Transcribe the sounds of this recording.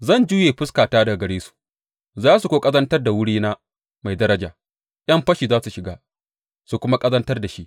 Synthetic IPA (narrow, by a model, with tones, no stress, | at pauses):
zɐ˦˨nd͡ʒuː˦jeː˨ɸɪ˦skaː˨taː˦da˨ɡɐ˨ɽeː˦su̥˨ | zaː˦su˨kʷoː˦kʼɐ˦zɐ˦ntɐ˦rda˨wʊ˦ɽiː˦naː˦ | ma˨jdɐ˦ɾɐ˦d͡ʒa̰ː˨ | ʔjɐ˦mɸɐ˦ʃiː˨zaː˦su˨ʃɪ˨ɡaː˦ | su˨kʷʊ˦ma˦kʼɐ˦zɐ˦ntɐ˦rda˨ʃi˦ʔ